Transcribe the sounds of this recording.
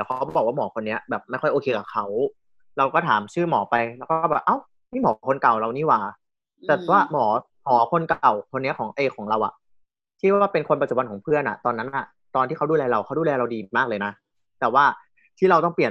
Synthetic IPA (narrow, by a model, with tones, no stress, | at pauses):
t̪ɛː˨˩wʰkʰa˦˥wɔː˨˩˨waː˥˩mɔː˩˦kʰo˧nːi˦˥ɐbɛː˨˩p̚ma˥˩jxɔ˥˩jʔoː˧kʰeː˧kaː˨˩kʰa˦˥w | ɾa˧wkɔː˥˩t̪ʰaː˩˦mt͡ɕʰɯː˥˩mɔː˩˦pa˧jlɛ˦˥wkɔː˥˩bɛː˨˩pʔa˧˥˩w | miː˥˩mɔː˨˦kʰo˧nka˨˩wɾa˧wniː˥˩waː˨˩ | t̪ɛː˨˩waː˥˩mɔː˩˦ | mɔː˩˦kʰo˧nkwkʰo˧nːi˦˥ɐkʰɔː˩˦ŋʔeː˧kʰɔː˩˦ŋɾa˧wʔa̰˨˩ʔ | t͡ɕʰiː˥˩waː˥˩pe˧nkʰo˧npa˧t͡ɕu˨˩wa˧nʰkɔː˩˦pʰɯ˥˩ənʔa̰˨˩t̪ɔː˧nːa˦˥nʔa˨˩ | t̪ɔː˧nt̪ʰiː˥˩ka˦˥duː˥˩lɛː˧ɾa˧wkʰa˦˥˩duː˧˥˩lɛː˧ɾa˧wdiː˧˨maː˥˩lɤː˧jna˦˥ | t̪ɛː˨˩waː˥˩ | t̪ʰiː˥˩ɾa˧wt̪ɔ˥˩ŋpli˨˩ən